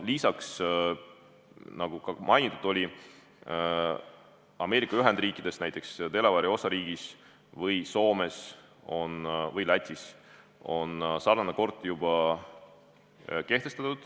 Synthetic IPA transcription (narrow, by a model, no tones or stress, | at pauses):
lisɑks | nɑɡ̥ukɑmʔɑjnʲit̪ːˑud̪̥o̞lʲi | ɑme̞ːɾikːˑɑyɦɛnd̪riːkːˑid̪̥e̞st̪næjt̪ːˑe̞kst̪e̞levɑɾio̞sɑɾiːɡ̥is | vɤjso̞ːme̞s | o̞nvɤjlæt̪ʲːis | o̞nsɑrɑnɑko̞rt̪ːˑjub̥ɑ | ke̞ht̪e̞st̪ɑt̪ːud̪̥